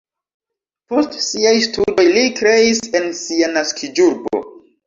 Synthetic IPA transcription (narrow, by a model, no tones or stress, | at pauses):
po̞stsiajstudo̞jlikɾe̞ise̞nsianaskʰid͡ʒuɾbo̞̰